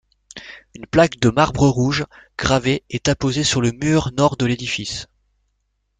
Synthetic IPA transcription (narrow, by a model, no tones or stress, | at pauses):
ynplakd̪əmaʁbʁəʁuʒɡ̥ʁaveɛt̪apozesyʁləmyʁnɔʁd̪əled̪ifis